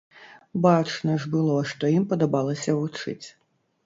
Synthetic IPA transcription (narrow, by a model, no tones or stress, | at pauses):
bat͡ʂnɐʐbɨlˠɔʂt̪ɔjimpɔd̪ɐbɑlˠɐsʲɐvut͡ʂɪ̰t͡sʲ